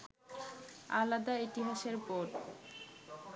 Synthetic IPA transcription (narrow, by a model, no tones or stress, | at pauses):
a̰lad̪ait̪iɦaʃeɾpoʈ